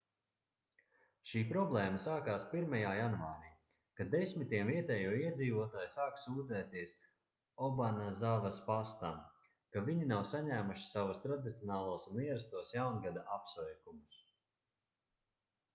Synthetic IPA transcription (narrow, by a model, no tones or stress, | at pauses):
ʃiːpɾɔblˠɛːmɐsaːkaːspiɾmajaːjanvaːɾiː | kad̪esʲmit̪iɛmviɛt̪ɛːjuɔiɛd̪ziːvuɔt̪aːjsaːksuːd̪zɛːt̪iɛs | ɔbanazavɐspast̪am | kaviɲinawsaɲæːmuʃi̥savust̪ɾad̪it̪sʲiɔnaːlˠuːsuniɛɾast̪uɔsjawnɡad̪aʔapsvɛjkumus